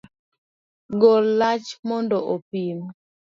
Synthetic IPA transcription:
ɡolːat͡ʃmɔndɔʔopim

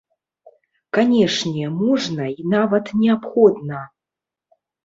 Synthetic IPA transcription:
kanʲɛʂnʲɛmɔʐnɐinavɐt̪nʲɛapxɔd̪nɐ

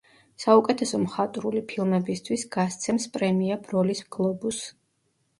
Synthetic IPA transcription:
saukʼɛt̪ʰɛsɔmχat̪ʼɾulipʰilˠmɛbist̪ʰwisɡ̥ast̪sʰɛmspʼɾɛmiab̥ɾɔlisɡlˠɔbus

